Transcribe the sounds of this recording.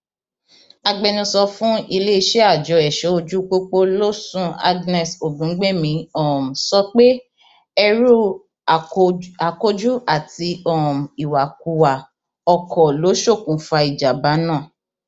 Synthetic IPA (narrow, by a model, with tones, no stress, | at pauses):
a˧ɡ͡bɛ˧nĩ˧sɔ˧fũ˦i˧le˦i˧ʃe˦a˦˨d͡ʒɔ˧ɛ˨ʃɛ˨˦o˧d͡ʒu˦k͡po˦k͡po˦lo˦sũ˦a̰˦ɡnɛ˨so˨dũ˨˦ɡ͡be˦mĩ˧ɔ˦˨m̩˨sɔ˦k͡pe˦ | ɛ˧ɾu˦˨ | a˨ko˦d͡ʒu˦a˦˨ti˧ɔ˦˨m̩˨i˨wa˨ku˨wa˨ | ɔ˧kʰɔ˨lo˨˦ʃo˦˨kũ˨fa˧i˨d͡ʒa˨ba˨˦nãː˦˨